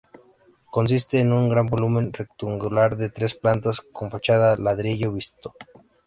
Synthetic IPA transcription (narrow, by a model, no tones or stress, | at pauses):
ko̞ns̬ist̪e̞ːnuŋɡɾambo̞lumẽ̞nrekt̪uŋɡulaɾðe̞t̪ɾe̞splant̪asko̞ɱfat͡ʃaðalaðɾeʝoβist̪o̥